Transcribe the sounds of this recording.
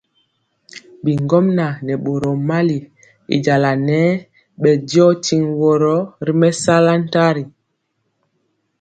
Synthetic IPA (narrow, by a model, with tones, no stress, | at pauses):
bi˨ŋɡɔ˦mna˨nɛ˨ɓo˨ɾɔ˨ma˦li˨ | ḭ˨d͡ʒa˨la˨nɛ˦ | ɓɛ˨dɔ˦ti˨ŋwɔ˨ɾɔ˦ɾi˦mɛ˦sa˦la˦n̩˦ta˦ɾi˨